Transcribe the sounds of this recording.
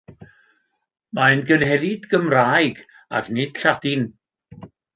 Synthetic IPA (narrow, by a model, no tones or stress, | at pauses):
manɡənhɛɾidɡəmraːjɡ | a̰ɡnɪd̥ɬadɪn